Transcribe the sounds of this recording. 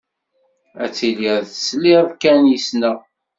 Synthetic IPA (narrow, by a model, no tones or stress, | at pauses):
æt͡sːiliɾðslivkænjəsnə